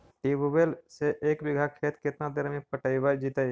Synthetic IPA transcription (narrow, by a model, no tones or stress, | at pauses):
ʈiːbubelseʔeːkbɪɡʱakʰeːt̪kɪt̪nad̪eːɾmẽpəʈaːiʋajd͡ʒiːt̪ai